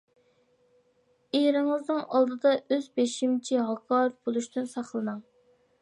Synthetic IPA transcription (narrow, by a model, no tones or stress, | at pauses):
eɾɪŋɨznɨŋɑlˠd̪ɨd̪ɑʔøzbeʃimt͡ʃʰiɦɑkʰɑːɾɨfbolˠuʃt̪ɨnsɑχlˠɨnɑŋ